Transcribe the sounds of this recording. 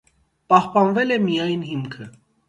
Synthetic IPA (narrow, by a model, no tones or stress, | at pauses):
pɑhpɑnvɛlɛmijɑjnɦimkʰə